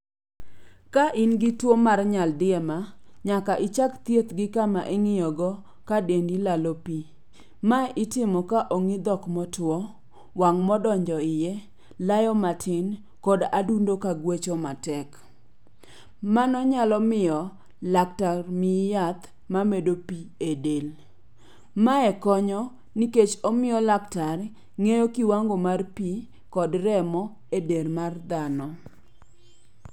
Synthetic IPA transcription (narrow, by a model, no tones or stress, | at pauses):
kaʔɪnɡɪtwomarɲaldɪɛmaɲakaʔɪt͡ʃakt̪jet̪ɡɪkamaʔeŋɪjɔɡɔ | kadendilalopi | maʔɪtɪmɔkaʔoŋɪd̪ɔkmɔtwɔ | waŋmɔdɔɲd͡ʒɔɪjɛ | lajɔmatʰɪn | kɔdadundokaɡwet͡ʃomatɛk | manɔɲalɔmɪjɔ | lak̚tarmɪjat̪ | mamedopiedel | maɛkɔɲɔ | niket͡ʃɔmɪjɔlaktar | ŋejokiwaŋɡomarpi | kɔdrɛmɔ | edermard̪anɔ